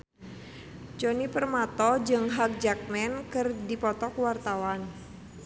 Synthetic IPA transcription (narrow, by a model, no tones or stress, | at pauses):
d͡ʒonipərmat̪ɔd͡ʒɨŋɦak̚d͡ʒak̚mɛnkɨrdipɔt̪ɔkwart̪awan